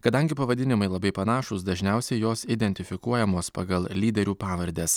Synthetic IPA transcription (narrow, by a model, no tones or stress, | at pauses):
kɐd̪ɐŋʲɡʲɪpɐʋɐd̪ʲɪnʲɪmɐɪlˠɐbɐɪpɐnɑːʃʊsd̪ɐʒʲnʲɛʊsʲɛɪjoːsɪd̪ʲɛnʲt̪ʲɪfʲɪkuɔjɛmoːspɑːɡɐlˠlʲiːd̪ʲɛɾʲuːpɑːʋɐɾʲd̪ʲeːs